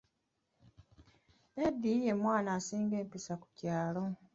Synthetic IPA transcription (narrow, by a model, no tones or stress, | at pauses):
nedːije̞mwaːnaːsiːŋɡe̞ːmpisaku̥caːlo̞